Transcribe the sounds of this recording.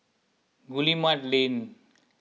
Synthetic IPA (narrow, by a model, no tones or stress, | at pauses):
ɡulimaʈlen